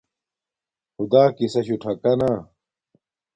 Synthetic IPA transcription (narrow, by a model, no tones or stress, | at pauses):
hud̪aːkisɐɕuʈʰɐkɐnaː